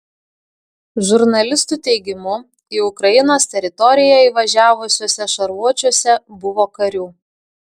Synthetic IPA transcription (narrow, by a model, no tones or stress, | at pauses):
ʒʊɾnɐlʲɪst̪uːt̪ʲɛɪɡʲɪmʊ | iːʊkɾɐjɪnoːst̪ʲɛɾʲɪt̪ɔɾʲɪjɛiːʋɐʒʲæːʋʊsʲoːsʲɛʃɐɾʋuɔt͡ʃʲuɔsʲɛbʊʋoːkɐɾʲuː